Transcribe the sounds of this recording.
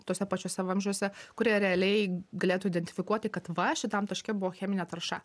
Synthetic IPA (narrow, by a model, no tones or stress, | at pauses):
t̪oːsʲɛpɐt͡ʃʲoːsʲɛʋɐmʲʒʲʊosʲɛkʊɾʲiːɛɾʲɛɐlʲɛɪɡɐlʲeːt̪uɪd̪ʲɛnʲt̪ʲɪfʲɪkuɔt̪ʲːɪkɐt̪ʋɐʃʲɪt̪ɐmt̪ɐʃʲkʲɛbʊʋoːxʲæːmʲɪnʲɛt̪ɐɾʃɐ